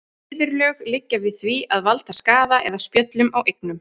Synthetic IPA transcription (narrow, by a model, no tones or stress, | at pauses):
ɪvɪɾlœːɣlɪcːavɪðθviaðvalt̪askaːðaʔɛ̰ðaspjœt̪lʏmawʔejknʏm